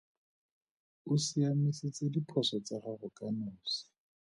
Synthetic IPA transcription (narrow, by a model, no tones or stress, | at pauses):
ʊsiamiset͡sɪdipʰɔsɔt͡saχarʊkʼanʊːsi̥